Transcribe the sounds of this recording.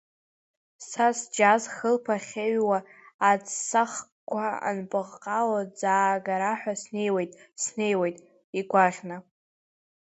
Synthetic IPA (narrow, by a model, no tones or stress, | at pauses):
sasd͡ʒazχəlpʰaχʲeɥwaːd͡zsaχkʷʰaa̰nbʼɨʁqʼawad͡zaːɡaɾaħʷᶣasne̞jwejtʼsne̞jwejtʼ | iɡʷaʁʲna